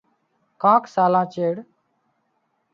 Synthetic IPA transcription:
kãːksaːlãːt͡ʃeːɽ

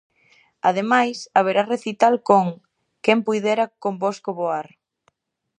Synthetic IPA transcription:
að̞emajsaβ̞eɾareθit̪alkoŋ | kempujðɛɾakomboskoβoaɾ

